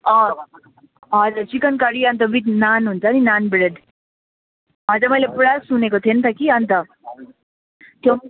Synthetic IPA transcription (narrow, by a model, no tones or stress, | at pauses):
ʌ | ɦʌd͡zat͡ʃikənkaɽiʌnt̪̬ʌbit̪nanɦunt͡sʰʌninanbɾed̪ | ɦʌd͡zaɾmʌjlepɾasunekot̪ʰient̪ʰʌkiʌnt̪ʌ | t̪jo